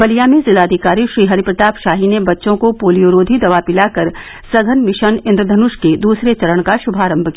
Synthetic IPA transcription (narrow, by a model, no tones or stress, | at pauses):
bɐlijaːmĩzɪlaːd̪ʱɪkaːɾiʃɾiːɦɐɾipɾɐt̪aːpʃaːɦinebɐtːʃõkopoːlijoɾoːd̪ʱid̪ɐʋapɪlakɐɾ | sɐɡʱənmɪʃənɪ̃nd̪ɾəd̪ʱɐnʊʃked̪uːsɾet͡ʃɐɾəɽ̃kaʃʊbʱaːɾə̃mbʱki